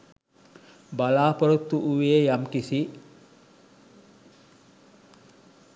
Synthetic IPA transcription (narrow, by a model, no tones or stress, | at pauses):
balaːpoɾut̪ːuʔuʋeːjamkisi